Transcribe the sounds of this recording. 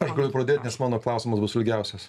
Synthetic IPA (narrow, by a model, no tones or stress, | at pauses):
ɐʃɡɐlʲʊpɾɐdʲeːt̪ʲnʲɛsmɑːnoːklˠɐʊsʲɪmɐsbʊsɪlʲɡʲɛʊsʲɛs